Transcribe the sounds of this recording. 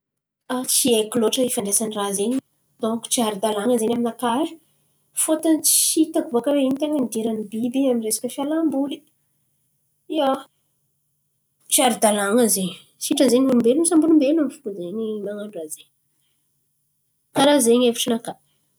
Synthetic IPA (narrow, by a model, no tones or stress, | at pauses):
at͡siekiloʈ͡ʂəifanɖ͡ʐesanirazeɲi | d̪̥oku̥t͡siaɾid̪alaŋəzeɲʲaminakaɾi̥ | fot̪ant͡sit̪akuvakəɾeinit̪eŋənid̪iɾənibibiaminresḁkʲəfjalambuli | ia | t͡siaɾud̪alaŋəzeɲi | siʈ͡ʂəzeɲmunumbelunsambunumbelunamfu̥kuzeɲimaŋaɳɖ͡ʐazeɲ | kaɾazeɲefiʈ͡ʂinakḁ